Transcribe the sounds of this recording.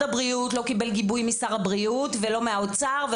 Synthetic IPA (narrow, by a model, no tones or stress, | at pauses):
abʁiutlokibe̞lɡibujmisaʁabʁiut̪velo̞meaot͡saʁve